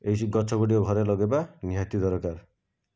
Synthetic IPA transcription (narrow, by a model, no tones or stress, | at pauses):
ejsiɡɔt͡ʃʰɔɡoʈioɡʱɔɾelɔɡebaniɦat̪id̪ɔɾɔkaɾ